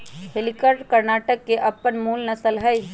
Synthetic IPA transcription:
ɦelikəpʈkəɾnaːʈəkːeʔɐpːənmuːlnəsəlɦəj

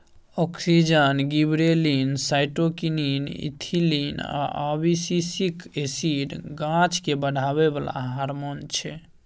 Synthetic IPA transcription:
ɔksid͡ʒənɡibɾelinsajʈokininḭt̪ʰilina̰ʔɔbisisikesiɖɡãt͡ʃkebəɽʱaβebəla̰ɦaɾmont͡ʃʰɛ

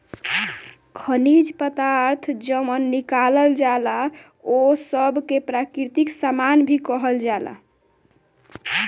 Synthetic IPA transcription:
kʰənid͡ʒpət̪aɾt̪ʰd͡ʒəmənːikaləld͡ʒala | osəbkepɾakɾit̪iksamanbʱikəɦəld͡ʒala̰

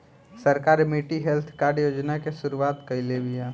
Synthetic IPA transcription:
səɾkaːɾmiʈiɦelt̪ʰkaːɾɖjoːd͡ʒnakesʊɾuwaːt̪kəɪlebija

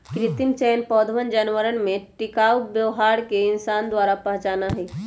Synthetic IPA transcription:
kɾɪt̪imt͡ʃɛːnpɔːd̪ʋənd͡ʒanʋəɾənmẽʈɪkaːwbjəʋɦaɾkeɪnsaːnd̪waːɾapəɦt͡ʃaːnaɦɛː

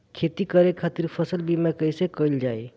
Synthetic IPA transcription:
kʰet̪ikəɾekʰat̪iɾpʰəsəlbimekəjsekəild͡ʒaj

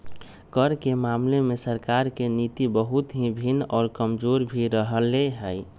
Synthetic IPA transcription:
kəɾkemaːmlemẽsəɾkaːɾkenit̪ibəɦut̪ɦĩbʱinɔːɾkəmd͡ʒoːɾbʱiɾəɦəleɦɛj

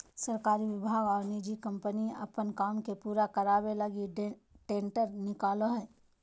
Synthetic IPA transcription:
səɾkaːɾiʋɪbʱaːɡɔːɾnid͡ʒikə̃mpəniɐ̰pənkaːmkepuːɾakəɾaːbelɐɡiʈẽːɳʈəɾnɪkaːloɦɛː

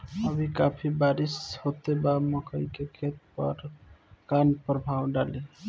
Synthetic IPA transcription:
əbʱikapʰibaɾishot̪ebaməkʰəikekʰet̪̚pʌ̰ɾkanpəɾbʱawɖali

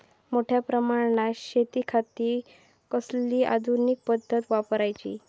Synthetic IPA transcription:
moʈʰjapɾəmaɾɳaɕet̪iːkʰat̪iː | kəsliːʔa̰d̪ʱunik̚pəd̪ʱːət̪ʋapɾajt͡ɕḭː

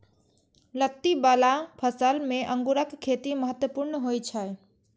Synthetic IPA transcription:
lət̪ːibalapʰəsəlmẽʔə̃ŋɡuɾəkkʰːet̪iməɦət̪wəpuɾnɦojt͡ʃʰə

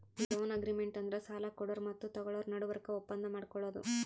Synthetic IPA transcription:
id͡ʒoːnɐɡɾimeɳʈɐnd̪ɐɾesaːlɐkɔɽɐɾmɐt̪ːut̪ɐɡɐɭoːɾnɐɽuʋɐɾɐkːɐɔpːɐnd̪ɐmaːɽkɔɭːoːd̪ṵ

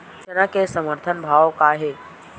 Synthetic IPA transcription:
d͡ʒɐnakesəməɾt̪ʰənbʱaːʋkaɦe

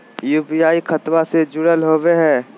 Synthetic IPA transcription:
juːpijaːikʰɐt̪wased͡ʒʊɽəlɦoːʋeɦɛː

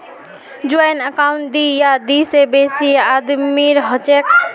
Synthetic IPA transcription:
d͡ʒuajnəkaʊɳʈ̚d̪ijad̪isebesiad̪miɾɦət͡ʃek̚

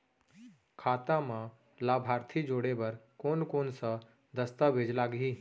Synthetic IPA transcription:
kʰaːt̪ãmã | laːbʱaːɾt̪ʰid͡ʒoːɽebɐɾkoːnkoːnsə | d̪əst̪aʋeːd͡ʒlaːɡɦiː

